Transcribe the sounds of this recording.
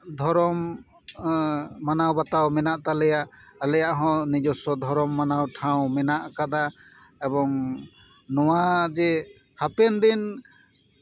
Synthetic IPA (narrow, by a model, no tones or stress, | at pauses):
d̪ʱɔɾɔm | anawbat̪awmɛnaʔt̪alɛjaʔlɛjaʔɦɔ̃nid͡ʒɔsɔd̪ʱɔɾɔmːanawʈʰãw̃mɛnaʔkad̪a | ɛbɔŋ | nɔwad͡ʒɛ | hapɛnd̪in